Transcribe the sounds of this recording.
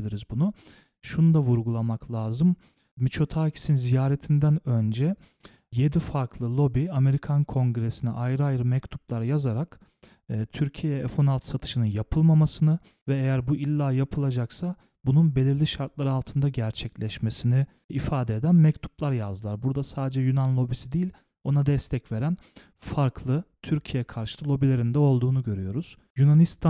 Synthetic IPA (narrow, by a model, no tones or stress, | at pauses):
lʲiɾizbunu | ʃunud̪avuɾɡulˠamaklˠaːzɯm | mit͡ʃʰo̞t̪ʰaːcʰi̥sinzijaːɾet̪ʰind̪ænø̞nd͡ʒɛ | je̞d̪ifaɾkʰlˠɯlˠo̞biame̞ɾikʰankʰo̞ŋɡɾesinɛʔajɾɯajɯɾɯmɛct̪ʰu̥plˠaɾjazaɾakː | t̪ʰyɾcʰijeefo̞nalˠt̪sat̪ʰɯ̥ʃɯnɯnjapʰɯlˠmamasɯnɯ | vɛejæɾbuʔilʲːaːjapʰɯlˠad͡ʒaksa | bununbe̞lʲiɾlʲiʃaɾt̪̚lˠaɾɯalˠt̪ʰɯnd̪aɟæɾt͡ʃʰɛclʲɛʃmesini | ifaːd̪eed̪ænmɛct̪ʰu̥plˠaɾjazɯlˠaɾbuɾd̪asaːd̪ed͡ʒɛjunanlˠo̞bisid̪ijilʲ | o̞nad̪ɛst̪ʰɛcve̞ɾæn | faɾkʰlˠɯt̪ʰyɾcʰijeɛkʰaɾʃɯlˠɯlˠo̞bilʲe̞ɾind̪ɛo̞lˠd̪uːnuɟø̞ɾyjo̞ɾuz̥ | junanist̪ʰa